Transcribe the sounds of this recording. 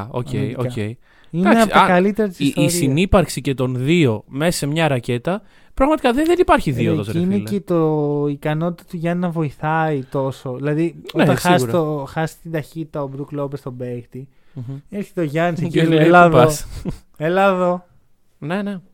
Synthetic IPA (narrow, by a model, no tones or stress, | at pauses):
o̰cḛioḛj | inɐknsiɐkɐlit̪eɾɐt̪i̥sːssinipɐɾksice̞t̪o̞nðio̞mesɐse̞mɲɐɾɐce̞t̪ɐ | pɾɐɣmɐt̪i̥kɐðeðenipɐɾçiðit̪ot̪eiinelet̪oikɐno̞t̪i̥t̪ɐt̪uʝɐnnɐvo̞iθɐit̪o̞so̞ðilɐðinoet̪ɐnɐsɐoxɐsi̥t̪ind̪ɐçit̪i̥t̪ɐobɾuklopest̪o̞bekt̪i | eɾçe̥t̪eoʝɐnsecilelɐðo | elɐðo | nene